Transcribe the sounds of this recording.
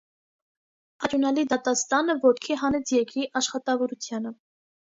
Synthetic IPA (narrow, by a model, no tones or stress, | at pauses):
ɑɾjunɑlid̪ɑt̪ɑst̪ɑnəvɔt̪kʰiɦɑnɛt͡sʰjɛkiʔɑʃχɑt̪ɑvɔɾut͡sʰjɑnə